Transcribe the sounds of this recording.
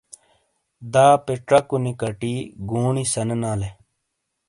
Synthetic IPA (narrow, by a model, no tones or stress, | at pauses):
d̪aːpeʈɾɐkunikɐʈiːɡuːɳisɐnnaːle